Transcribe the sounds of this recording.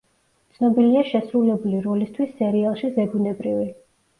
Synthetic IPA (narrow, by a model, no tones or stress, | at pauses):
t̪sʰnɔbiliaʃɛsɾulɛbuliɾɔlist̪ʰwisːɛɾialˠʃizɛɡunɛbɾivi